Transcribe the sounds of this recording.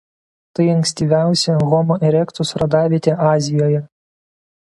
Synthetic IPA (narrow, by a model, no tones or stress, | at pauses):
t̪ɐɪɐŋksʲt̪ʲiːʋʲæˑʊsʲɛɣɔmoʔɛɾʲɛkt̪ʊsɾɐd̪ɑːʋʲiːt̪ʲeːʔɑːzʲɪjoːjɛ